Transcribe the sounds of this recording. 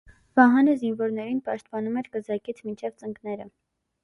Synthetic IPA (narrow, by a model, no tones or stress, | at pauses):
vɑɦɑnizinvɔɾnɛɾinpɑʃt̪̚pɑnumɛɾkəzɑkit͡sʰmint͡ʃʰɛvt͡səŋɡnɛɾə